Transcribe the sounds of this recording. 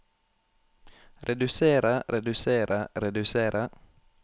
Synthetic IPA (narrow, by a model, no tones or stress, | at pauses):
ɾɛd̪ʉseːɾaɾɛd̪ʉseːɾʔaɾɛd̪ʉseːɾʔa